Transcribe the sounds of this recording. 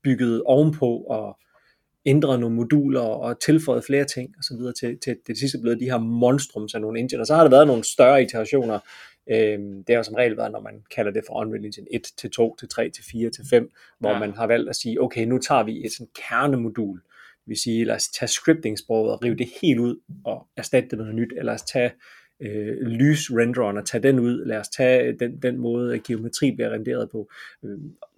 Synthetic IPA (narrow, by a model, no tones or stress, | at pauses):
b̥yɡ̥əð̞̩ˠɒʊmpʰɒ̽ɒ̽ | end̥ʁɐno̝ːn̩mo̝d̥ṵːlɐ̽ːt͡sʰe̝lfɒ̽ɪð̩ˠfle̝ːɐt͡sʰe̝ŋ̰ɒ̽sɒʋið̞ˠɐt͡sʰe̝t͡sʰe̝d̥e̝sis̬d̥əb̥leðˠd̥iɦæɐ̰mɒ̽nsd̥ʁɔ̽msæno̝ːn̩e̝nd̥ḛnɒsɒ̽hɑ̈ɾɑ̈ʋæːɐðˠno̝ːn̩sd̥ɶɐit͡sʰæʁɑ̈ɕo̝̰ːnɐ | ød̥e̝ɑjosɒ̽mʁɛ̰ɪlʋæːɐðˠnɒmænkʰælɐd̥e̝fɒ̽ʔɒnʋilinɕene̝d̥t͡sʰe̝lt͡sʰo̝̰ːt͡sʰe̝lt͡sʰʁɛ̰ːt͡sʰe̝lfiːɐt͡sʰe̝lfem̰ | ʋɒmænɦɑ̈ʋæl̰d̥æsiːʔɔʊkʰeɪnut͡sʰɑ̰̈ːʋie̝d̥sɒ̽nkʰæɐnəmo̝d̥ṵːl̥ | eʋesiːelæ̰st͡sʰæsɡ̥ʁib̥̚d̥e̝ŋsb̥ʁɔʊð̩ˠɒʁḭːʊd̥e̝he̝̰ːld̥uð̞̰ˠɒ̽æɐsd̥æd̥̚d̥enɔ̽ːðˠnyd̥elɐst͡sʰɛ | ølyːsʁend̥ɐɒnɒt͡sʰɛd̥enuð̞̰ˠlæːɐst͡sʰɛd̥end̥enmɔ̽ːð̞̩ˠæɡ̥io̝me̝t͡sʰʁḭːb̥liæʁɛnd̥e̝̰ːɐð̞ˠpʰɒ̽